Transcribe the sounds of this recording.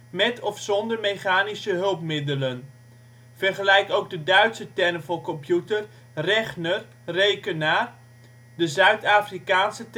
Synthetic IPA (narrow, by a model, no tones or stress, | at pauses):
mɛtʰɔfsɔndərmeχaːnisəɦɵlˠpmɪdələn | v̥ərχəlɛjkowɡ̚dədœɥtsətɛrəvɔkɔmpjutər | rɛχnər | rejkənaːr | dəzœɥtaːfrikaːnsət